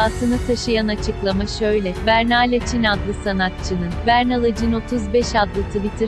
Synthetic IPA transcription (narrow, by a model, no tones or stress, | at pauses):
aːsɯnat̪ʰaʃɯjanat͡ʃʰɯklˠamaʃø̞jlʲɛvæɾnalʲat͡ʃʰinad̪lˠɯsanat̪̚t͡ʃʰɯnɯnvæɾnalˠad͡ʒɯno̞t̪ʰuzbɛʃad̪lˠɯt̪ʰɯbit̪ʰiɾ